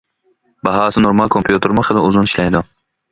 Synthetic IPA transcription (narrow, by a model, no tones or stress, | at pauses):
bɑɦɑːsɪnoɾmalˠkʰompʰjut̪ʰeɾmʊχʰɨlɪʊzʊnɪiʃlajd̪ʊ